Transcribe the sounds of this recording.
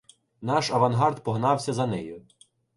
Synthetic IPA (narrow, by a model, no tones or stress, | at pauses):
nɑʃɐʋɐnɦɑrd̪pɔɦnɑwsʲɐzɐnɛjʊ